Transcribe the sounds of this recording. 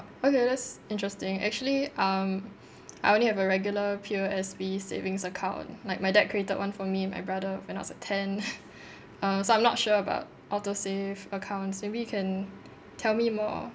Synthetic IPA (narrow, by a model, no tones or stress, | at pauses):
okedɛtsɪ̃ntɹ̥əstɪ̃ŋɛ̰k̚t͡ʃuəliʔʌ̃m | ajõnlihɛvəɹɛɡjuləpʰioɛsbisḛvɪ̃ŋsəkʰãʊ̃nlaɪk̚maɪdɛt̚kʰɹietəd̚wãnfɔmiɛ̃nma̰ɪbɹadəwɛ̃na̰tsətʰɛ̃n | ʌ̃msoãɪmnɔtʃuəba̰ʊt̚ʔɔtosevəkʰãʊ̃ntsmebijukʰɛ̃n | tʰɛlmimɔ̰